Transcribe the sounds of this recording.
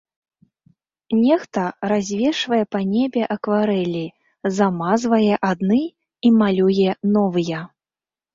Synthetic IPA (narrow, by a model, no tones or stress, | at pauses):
nʲɛxt̪ɐɾazʲvʲɛʂvɐjɛpɐnʲebʲɛʔɐkvaɾɛlʲi | zamazvɐjɛʔad̪nɨ | imalʲujɛnɔvɨjɛ